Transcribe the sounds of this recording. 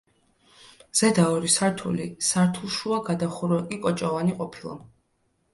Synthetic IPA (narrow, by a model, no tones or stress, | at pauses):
z̥ɛd̪aɔɾisaɾt̪ʰṵlisaɾt̪ʰulˠʃuaɡad̪aχuɾɛkʼikʼɔt͡ʃʼɔvaniqʼɔpʰilˠa̰